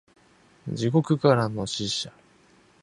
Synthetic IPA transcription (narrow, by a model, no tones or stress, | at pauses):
d͡ʑiko̞kɯ̟kaɾano̞ɕiɕa